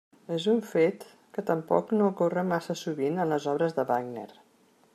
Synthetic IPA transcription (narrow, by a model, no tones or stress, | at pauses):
ezuɱfet̪ | kət̪əmpɔ̰knoəkorəmasəsuβinənləzɔβɾəzðəβaɡnḛɾ